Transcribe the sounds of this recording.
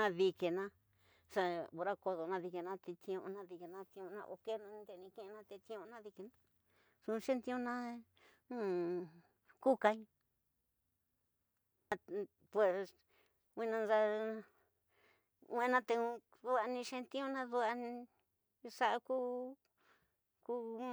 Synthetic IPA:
ã˧βi˧ke˧nã˧ | sa˧o˧ɾa˦ko˧ðo˧nã˧ði˧ke˧nã˦˧t̪i˧t̪i˧õ˧õ̰˧nã˧ði˧ke˧nã˧t̪i˧õ˧nã̰˧ʔo̰˧ke˦nã˧nd̪e˧˨˧nĩ˧kẽ˦˧e˧nã˦˧t̪e˧t̪ĩ˧õ˧nã˦ði˧ke˧nã˦ | sũ˧ʃẽ˦nt̪ĩ˧˦õ˧nã˦nũ˦ | ku˦ka˧ĩ˦˧ | a˧ | pwe˨˧s | wʷi˦nã˧nza˧ | wẽ˦˧˦nã˦t̪e˧ũ˧ | ðu˦a˧nĩ˧ʃe˦˧nt̪ĩ˦õ˧nã˦ðu˧a˧ñ˧ | sa˦ʔa˧ku˦ | ku˦

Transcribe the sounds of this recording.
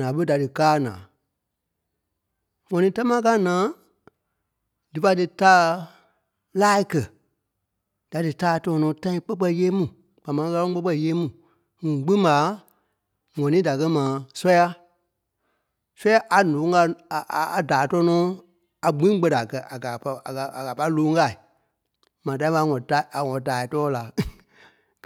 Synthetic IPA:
ãː˨ɓə˦da˨dɨ˨kaː˦˨nã̰ː˨ | ŋɔ̃˨nĩː˨˦ta˦mãː˦k̬aː˦nãː˨˦ | dɨ˨fa˧˦dɨ˧taː˦ | laː˦i˦kɜ˨ | d̥a˨dɨ˨taː˦˨tɔ̃ː˧˦˧nɔ̃ː˨˦tã˦ĩ˧k͡pə˦k͡pɛ˧˨˧jeː˦mũ˨ | k͡pa˨mã˨˦˧ka˧lɔ̃˦k͡pə˦k͡pɜ˧˨jeː˦mũ˦˨ | ŋũ˨ɡ͡bĩ˦ma˨˦ | ŋɔ̃˨nĩː˨˦da˨k̬ɜ˧mãː˨˦sɔ˦ja˧ | sɛ˦a˦ʔa˨nõː˨˦ŋ˦a˧˨ʔa˨daː˨tɔː˧˦nɔ̃ː˨˦ | a˨ɡ͡bĩ˦ɡ͡bə˧da˨kɜ˧ʔa˨ɡa˨˧a˨a˨ka˨pa˧˦i˦loː˨˦ŋ˦ka˧˨i˨ | mãː˨t̬ã˧ĩ˦a˧˦ŋɔ̃˨ta˨a˨ŋɔ̃˨taː˨i˨tɔː˦la˨

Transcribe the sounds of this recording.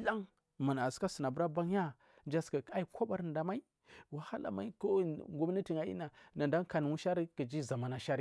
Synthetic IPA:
la˦ŋ | ma˨n˨a˨ska˦sə˨na˨bu˦ɾa˦ba˦ŋja˦ | nd͡ʒa˦ska˨a˦i˦kʷo˦ba˦ɾnda˨ma˦i˦ | wa˨ha˦la̰˨ma̰˦i˦ko˦˨ŋɡu˦m˦ni˦ti˨ŋa˨˦jḭ˦na˨na˨nda˦ŋ˦ka˨n˨wu˦ʃa˦ɾi˦kə˨d͡ʒi˦za˨ma˨na˨ʃa˦ɾi˦

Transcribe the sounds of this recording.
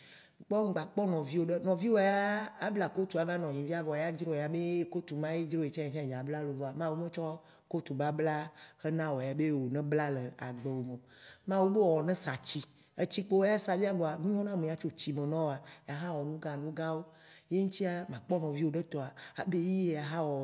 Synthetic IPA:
k͡pɔ˦ŋ˦ɡ͡ba˨k͡pɔ˦nɔ̃˨vi˦wo˦ɖe˦nɔ̃˨vi˦wo˨˦a˦a˦bla˨ko˦t̪u˨a˨vã˦nɔ̃˨ɲĩ˨vi˦a˦vɔ˨ja˦d͡ʒɾo˦˨a˨be˦ko˦t̪u˨mã˦je˦d͡ʒɾo˦je˨t͡ʃã˦a˨t͡ʃã˦˨d͡ʒa˨bla˦lo˨vɔ˨a˨mã˦wu˦mẽ˦t͡ʃɔ˦ | ko˦t̪u˨ba˦bla˦xe˦nã˦wɔ˨ja˨be˦wo˨nɛ̃˦bla˦le˨a˨ɡ͡be˨wo˨mẽ˨mã˦wu˦be˦wɔ˨nɛ̃˦sa˨t͡ɕi˦ | e˨t͡ɕi˦k͡po˦o˦a˦sa˨vi˦a˦bo˨a˨nũ˦ɲɔ̃˦nã˦mẽ˨ja˦t͡ʃo˦t͡ɕi˨mẽ˨nɔ̃˦wo˨a˨ja˨ɦa˦wɔ˨nũ˦ɡa˨nũ˦ɡã˦wo˦je˦ŋũ˦t̪i˦a˦mã˨k͡pɔ˦nɔ̃˨vi˦wo˦ɖe˦t̪ɔ˨a˨a˨be˦ji˦ja˨ɦa˦wɔ˨

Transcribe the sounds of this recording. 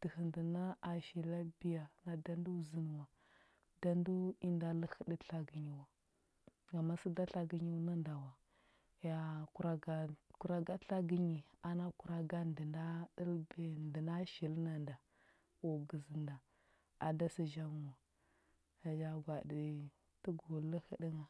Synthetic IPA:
d̥ə˨hə˨ndi˨na˦a˨ʃi˨la˦bi˦ja˨na˨da˦n˦du˦˨zi˦n˨wa˨ | da˦n˦du˦i˦nda˦la˦xə˦də˦ɬa˦ɡi˨ɲi˨wa˨ | ɡa˨ma˦si˦da˦ɬa˦ɡi˦ɲi˦na˦nda˨wa˨ | ja˨ku˨ɾa˨ɡa˨ku˨ɾa˨ɡa˦ɬa˦ɡi˦ɲi˨a˨na˦ku˨ɾa˦ɡa˦ndə˨nda˦də˦lbe˦ndi˨na˦ʃi˨lna˨nda˨ | wo˨ɡə˨zi˨nda˨ | a˨da˦si˦ʒa˦ŋu˨wa˨ | a˨ja˦ɡʷa˨di˨ | tə˦ɡo˨lə˦hi˦di˦ŋa˨

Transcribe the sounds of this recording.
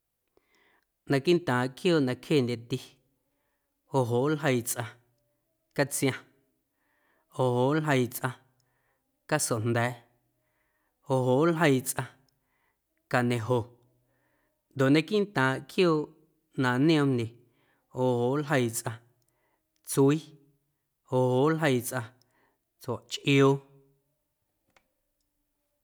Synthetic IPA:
nã˧ki˦nt̪ãː˨ʔkjoː˦˨ʔnã˧kʰheː˦˨nd̪ʲe˧˨t̪i˦ | ho˨ɦoː˨ʔlɦə˧jt͡sʔã˧ | ka˦t͡sj̃ã˧ | o˨ɦoː˨ʔlɦə˧jt͡sʔã˧ | ka˦so˨n̥d̪ɛː˨˦ | o˨ɦoː˨lɦə˧jt͡sʔã˧ | ka˨nẽ˧ɦo˨ | nd̪o˨ʔnẽ˧kĩ˦n˦t̪ãː˨ʔkʰjoː˦ʔ | nãː˨nĩ˦õ˧mne˨ | o˨hoː˨ʔlɦə˧jt͡sʔã˧ | t͡swiː˦ | o˨ho˨˦ʔlɦə˧jt͡sʔã˧ | t͡sa˨ʔt͡ʃʔjoː˦

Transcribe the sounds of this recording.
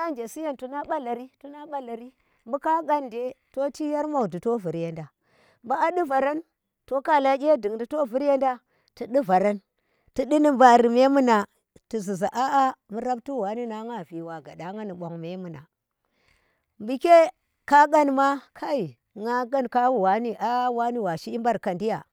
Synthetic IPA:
a˦nd͡ʒe˨si˦ja˦ntu˨na˦ɓa˦la˨ɾi˦tu˦na˦ɓa˦la˨ɾi˦ | mbu˦ka˦ɡa˦nde˨to˦ti˦ja˦ɾma˨u˨di˨to˦vu˨ɾje˨˦nda˨ | mba˨a˦ɗi˦va˨ɾa˦n | to˦ka˦la˦ɡʲe˦di˨ŋdi˨to˦vu˦ɾje˦nda˦ | ti˨ɗi˦va˨ɾa˦n | ti˨ɗi˦ni˦mba˨ɾi˨me˦mu˦na˨ | ti˨zi˨za˨ʔa˦a˦mu˦ɾa˦b̚tu˦˨wa˨˦ni˦na˨˦ŋa˦˨vi˨wa˨ɡa˨da˨˦ŋa˦ni˨ɓʷo˨ŋme˦mu˨na̰˨ | mbi˨ke˦ | ka˦ɡa˦nma˦kʰa˦i˨ | ŋa˦ɡa˦nka˦wu˨wa˦ni˦ʔa˦wa˦ni˦wa˨ʃi˦i˦mba˦ɾka˨ndi˦ja˨

